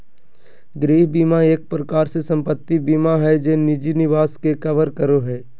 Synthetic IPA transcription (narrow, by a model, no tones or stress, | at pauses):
ɡɾiːɦbiːmaeːk̚pɾəkaːɾsesɐ̃mpət̪ːibiːmaɦɛd͡ʒeːnɪd͡ʒinɪʋaːskekəʋəɾkəɾoɦɛː